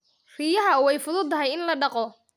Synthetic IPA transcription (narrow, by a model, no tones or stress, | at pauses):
riːjɐɦɐwɛjfʊðʊd̪ʰɐɦɛjɪnlɐɖɑqɔ